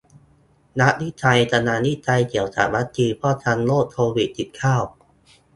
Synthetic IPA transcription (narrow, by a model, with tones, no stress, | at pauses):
na˦˥ʔni˦˥t̪ʰa˧jt̪ʰa˧naː˧ni˦˥t͡ɕa˧jk̪i˨˩˦əwsa̰˨˩ma˦˥t͡ɕʰiː˧pʰɾɔː˥˩t̪ʰa˧nloː˥˩k̚t̪ʰoː˧wi˨˩t̪ʰːi˨˩t̪̚kʰaː˥˩w